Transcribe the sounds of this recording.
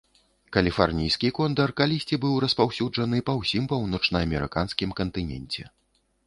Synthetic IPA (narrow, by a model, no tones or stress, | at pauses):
kɐlʲifɔrnʲijskʲikɔnd̪ɐrkalʲisʲt͡sʲibɨwɾɐspawsʲud͡ʐɐnɨpɐwsʲimpɐwnɔt͡ʂnɐɐmʲɛɾɨ̰kanskʲimkɐnt̪ɨnʲɛ̰nʲt͡sʲɛ̰